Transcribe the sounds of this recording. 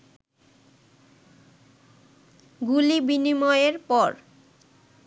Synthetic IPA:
ɡulibinimɔeeɾpɔɾ

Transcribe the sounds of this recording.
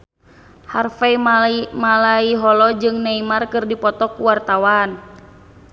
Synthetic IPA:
harfaimalaiɦɔlɔd͡ʒɨŋnaimarkɨrdipɔt̪ɔkuwart̪awan

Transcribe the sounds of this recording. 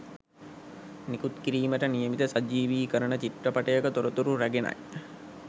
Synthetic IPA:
nikut̪kiɾiːməʈənijəmit̪əsad͡ʒiːʋiːkəɾənət͡ʃiʈrəpaʈəjəkət̪oɾət̪uɾuɾæɡena̰j

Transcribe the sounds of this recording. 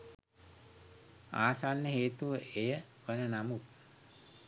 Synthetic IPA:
aːsanːəɦeːt̪uʋəʔejə | ʋənənamu

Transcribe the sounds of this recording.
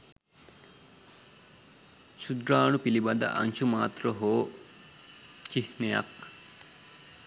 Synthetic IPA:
ʃud̪ɾaːɳupilibɐd̪ɐ̰ʔɐ̰nʃumaːt̪ɾɐɦoː | t͡ʃihnejɐ̰k

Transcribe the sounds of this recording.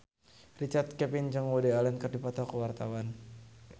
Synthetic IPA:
rit͡ʃart̪̚kɛpind͡ʒəŋwodealɛnkərdipɔt̪ɔkəwart̪awan

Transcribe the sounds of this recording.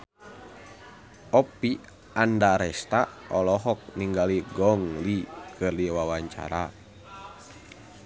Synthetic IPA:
ɔpi | andaɾɛst̪aɔlɔɦɔk̚niŋɡaliɡɔŋlikʰɨrdiwawaɲt͡ʃa̰ɾa

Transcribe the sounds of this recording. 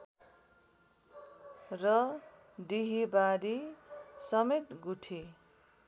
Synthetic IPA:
rʌ | ɖiɦibaɾisʌmet̪ɡuʈʰi

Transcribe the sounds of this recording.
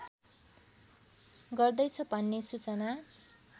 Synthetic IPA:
ɡʌrd̪ʌjt͡sʰʌbʱʌnːesut͡sʌna

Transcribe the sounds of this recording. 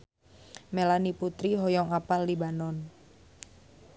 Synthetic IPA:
melaniput̪ɾiɦɔjɔŋapalːibanɔn

